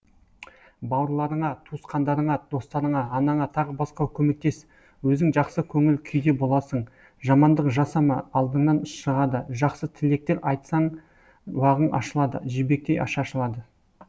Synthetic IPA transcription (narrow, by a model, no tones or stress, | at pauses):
bɑwəɾlˠɑɾəɴɑt̪ʰusqɑnd̪ɑɾəɴɑd̪̥o̞st̪ɑɾəɴɑːnɑɴɑt̪ʰɑʁəbɑsqɑwkʲʰɵme̞k̚t̪e̞s | wɵzɪŋʒɑqsəkʲʰɵŋɪlkʲʰʏjd̪e̞bo̞lˠɑsəɴ | ʒɑmɑnd̪əqʒɑsɑmɑɑlˠd̪əɴnɑnʊsʃəʁɑd̪əʒɑqsət̪ʰɪle̞k̚t̪e̞ɾʔɑjt̪sɑɴ | wɑʁənʔɑ̰ʃəlˠɑd̪ə̰ʒibe̞k̚t̪e̞jɑ̰ʃɑʃəlˠɑd̪ə